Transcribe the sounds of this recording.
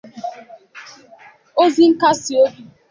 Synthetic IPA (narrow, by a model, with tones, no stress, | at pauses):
o˦zi˦ŋ̩˦ka˦si˨o˦bi˦